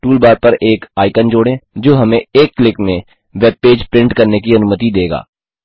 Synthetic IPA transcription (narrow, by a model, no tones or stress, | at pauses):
ʈuːlbaːɾpɐɾeːkaːɪkənd͡ʒoːɽẽd͡ʒoːɦɐmẽeːkːlɪkmẽ | ʋeːb̚peːd͡ʒpɾɪ̃ɳʈkɐɾnekiɐnʊmət̪id̪eːɡa̰ː